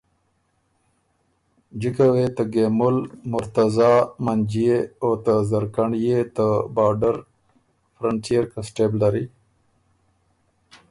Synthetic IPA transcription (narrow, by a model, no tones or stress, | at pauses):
d͡ʒikawet̪əɡemʊlmʊɾt̪azaːmand͡ʒieot̪əzəɾkaɳjet̪əbaːɾɖəɾ | fɾəɳʈiəɾkasʈebldaɾi